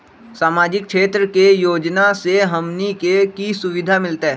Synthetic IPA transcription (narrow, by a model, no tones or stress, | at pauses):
saːmaːd͡ʒɪkkʃeːt̪ɾəkejoːd͡ʒnaseɦɐmnikekisʊʋɪd̪ʱamɪlt̪eɦɛː